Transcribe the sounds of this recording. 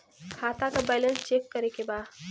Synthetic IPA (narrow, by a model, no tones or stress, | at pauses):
kʰat̪akabajlə̃nst͡ʃekːəɾekeba